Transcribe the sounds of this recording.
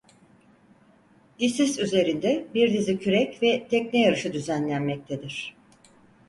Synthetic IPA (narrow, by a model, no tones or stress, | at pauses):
disisyze̞ɾind̪ɛbiɾd̪izicʰyɾɛcvɛt̪ʰɛcnɛjaɾɯʃɯd̪yzænlʲænmɛc̚t̪ʰed̪iɾ̝̥